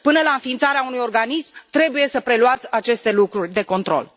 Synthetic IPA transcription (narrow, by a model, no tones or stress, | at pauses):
pɨnəlaɨnfiːnt̪saɾeaunujo̞rɡanismt̪ɾe̞buje̞səpɾe̞luat̪sʲat͡ʃe̞st̪e̞lukɾurʲd̪e̞ko̞nt̪ɾo̞̰l